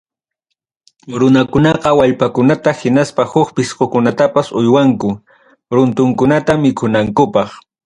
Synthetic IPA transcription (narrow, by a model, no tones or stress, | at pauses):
ɾʊnakʊnɑqɑwaʎpakʊnat̪ahɪnaspahʊkpɪsqokʊnat̪apasʊjwaŋkʊ | ɾʊnt̪ʊŋkʊnat̪amɪkʰʊnaŋkʊpɑχ